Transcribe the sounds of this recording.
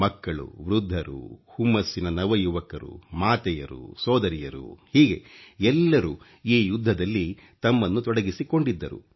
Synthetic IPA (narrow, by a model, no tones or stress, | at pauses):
mɐkːɐɭṵʋɾud̪ʱːɐɾṵhumːɐsːinɐnɐʋɐjuʋɐkɐɾṵmaːt̪ɛjɐ̰ɾṵsɔːd̪ɐɾijɐɾṵhiːɡe̞ɛlːɐɾu | iːjud̪ʱːɐd̪ɐlːi | t̪ɐmːɐnːut̪ɔɽɐɡisiko̞ɳɖid̪ːɐɾṵ